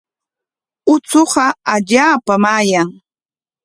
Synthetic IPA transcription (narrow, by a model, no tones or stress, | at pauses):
ʊt͡soɢɑaʎaːpamaːjaŋ